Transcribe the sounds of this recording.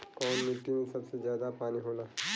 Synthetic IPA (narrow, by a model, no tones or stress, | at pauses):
ɔːnmɪʈːimẽsɐbsezjaːd̪apaːniɦoːla